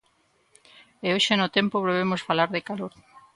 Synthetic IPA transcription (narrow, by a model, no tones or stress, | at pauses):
eoʃenʊt̪ɛmpoβɾeβ̞emosfalaɾðekaloɾ